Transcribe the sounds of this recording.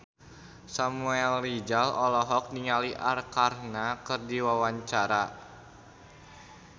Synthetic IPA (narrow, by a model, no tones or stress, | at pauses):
samuɛlːid͡ʒalɔlɔɦɔk̚niŋaliʔarkarnakɨrdiwawaɲt͡ʃaɾa